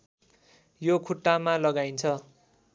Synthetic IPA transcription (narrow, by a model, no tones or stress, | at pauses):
jokʰuʈːamalʌɡajnt͡sʰʌ